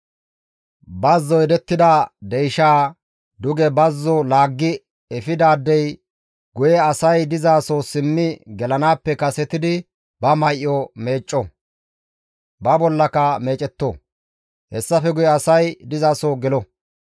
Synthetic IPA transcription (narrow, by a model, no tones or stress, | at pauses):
bɐzːɔjɛd̪ɛt̪ːɪd̪ɐd̪ɛjʃaː | d̪ʊɡɛbɐzːɔlaːɡːɪ | ɛfɪd̪aːd̪ːɛj | ɡʊjɛɐsɐjd̪ɪzaːsoːsɪmːɪɡɛlɐnaːpːɛkɐsɛt̪ɪd̪ɪ | bɐmɐjʔːɔme̞ːt͡ʃʼːɔ | bɐbɔlːɐkɐme̞ːt͡ʃʼɛt̪ːo̰ | hɛsːɐfɛɡʊjɛɐsɐjd̪ɪzaːsoːɡɛlɔ